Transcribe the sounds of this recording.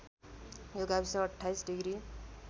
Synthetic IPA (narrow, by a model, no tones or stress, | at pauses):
joɡabisaːʈʰːajsɖiɡɾi